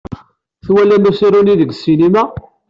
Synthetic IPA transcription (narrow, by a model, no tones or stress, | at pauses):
θwælːænæsiɾuniðəɡsinimæ